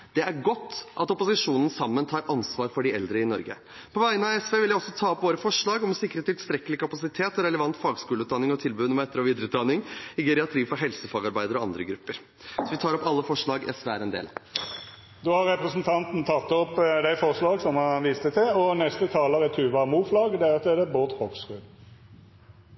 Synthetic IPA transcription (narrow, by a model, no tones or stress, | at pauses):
d̪̥ɛæɾɡɔt̪ːʔɑt̪ɔpʊsɪʂuːnən̩sɑmːənt̪ʰɑːɾɑnsʋɑːɾfɔɖɪɛ̰ld̪ɾəɪnɔ̰ɾɡə̰ | pʰɔʋæɪənɑʋɛsʋeːʋɪljæɪɔsːɔt̪ʰɑːɔpʋoːɾəfɔʂɭɑːɡɔmsɪkəɾeːt̪ːɪst̪ɾɛkːəlɪkɑpɑsɪt̪ʰeːt̪ɔɾɛləʋɑnt̪fɑːɡskʉːləʉːt̪d̪ɑnːɪŋɔt̪ʰɪlbʉːnəmɛt̪ːəɾɔːʋiːd̪əɾəʉːt̪d̪ɑnːɪŋɪɡɛɾɛɑt̪ʰɾiːfɔɾɦɛlsəfɑːɡɑɾbæɪd̪əɾɔɑ̰nd̪ɾəɡɾʉpːəɾ | sɔʋɪt̪ʰɑːɾɔpɑlːəfɔʂɭɑːɡʔɛ̰sʋeːæɾɛnd̪ḛːl | d̪oːhɑɾɾɛpɾəsnt̪ʰɑnt̪n̩t̪ʰɑt̪ːɔpd̪æɪfɔʁʂlɑːɡsɔmhɑnʋiːst̪ət̪ʰɪɔnɛst̪ət̪ʰɑːləʁət̪ʰʉːʋɑmuːflɑːɡd̪ɛæɾɑt̪ːɛd̪ɛboːt̪hoɡskʉːd̪